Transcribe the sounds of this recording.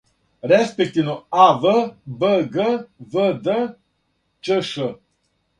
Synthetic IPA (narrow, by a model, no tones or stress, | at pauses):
ɾespek̚t̪inoavəbəɡəvəd̪ə | t͡ʃəʃə